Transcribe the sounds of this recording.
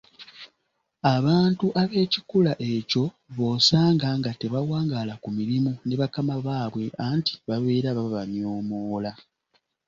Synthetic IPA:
aβaːntuʔaβe̞ːcikulaʔe̞co̞ | βo̞ːsaːŋɡaŋɡate̞βawaːŋɡaːlakumiɾimune̞βakamaβaːβwe̞ʔaːnti̥βaβe̞ːɾaβaβaɲo̞ːmoːla

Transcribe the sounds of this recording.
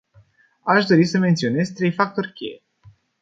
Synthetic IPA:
aʃd̪o̞ɾisəme̞nt̪sio̞ne̞zt̪ɾejfak̚t̪o̞rkʲḛje

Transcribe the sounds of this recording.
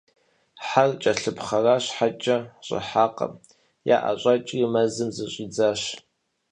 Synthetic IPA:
ħart͡ʃʼɐɬɨpχɐraːɕħat͡ʃʼɐɕʼɪ̰ħaːqʼɐ̰m | ja̰ːʔa̰ɕʼat͡ʃʼɪmɐzɨmzɨɕʼiːd͡zaːɕ

